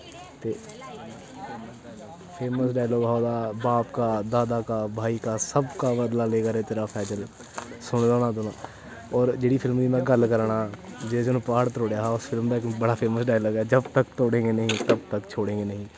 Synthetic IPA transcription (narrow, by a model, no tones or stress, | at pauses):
t̪eː | pʰeːməsɖaːjloːɡɦaod̪abaːpkad̪aːd̪akabʱaːikasəbkabəd̪laleːɡaɾet̪ɪːɾapʰɛːd͡ʒəl | sʊɽd̪oːnad̪oːnã | ɔːɾd͡ʒeːɽipʰɪlmd̪imɛ̃ɡəlkəɾɳad͡ʒed͡ʒonõpaːɽt̪ɾoːɽjaɦʊsfʰɪlmd̪aekbəɽapʰeːməsɖaːjloːɡɛd͡ʒəbt̪əkt̪oːɽẽːŋɡenɐɦĩt̪əb̚t̪əkt͡ʃʰoːɽẽːŋɡenɐɦĩː